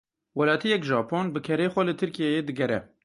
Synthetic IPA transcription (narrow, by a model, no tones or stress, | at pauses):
wɛlɑːt̪ʰijɛkʒɑːpʰoːnbɨkʰɛɾeːxʷɛlɨt̪ʰɨɾkijejeːd̪ɨɡɛɾɛ̰